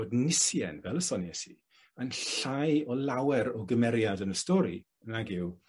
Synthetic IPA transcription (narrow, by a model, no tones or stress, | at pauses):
odnɪsjɛ̰nvɛlˠəsɔnjɛsi | ənɬajɔlawɛɾɔɡəmɛɾjadənəstɔɾḭ | ənaɡɪw